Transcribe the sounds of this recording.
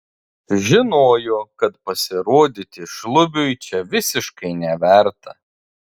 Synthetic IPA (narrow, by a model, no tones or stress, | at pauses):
ʒʲɪnoːjokɐt̪pɐsʲɪɾoːd̪ʲɪt̪ʲɪʃlˠʊbʲʊjt͡ʃʲɛʋʲɪsʲɪʃkɐɪnʲɛʋʲæˑɾt̪ɐ̰